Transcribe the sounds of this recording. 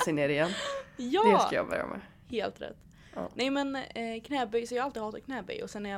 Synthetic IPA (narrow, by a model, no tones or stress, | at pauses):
sɪneːɾɪjɛnːjɑd̪ɛsajɑ̰ːbœ̰ɾja̰mʔɛ̰ | heːlt̪ɾɛ̰t̪ː | nɛɪmɛnkʰnɛːbyjsɔjɑːalt̪id̪hɑːt̪akʰnɛːby̰jɔsɛnæɾja